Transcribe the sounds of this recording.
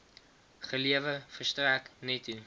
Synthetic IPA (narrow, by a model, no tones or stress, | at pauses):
χəliəvəfərstræknɛtʰu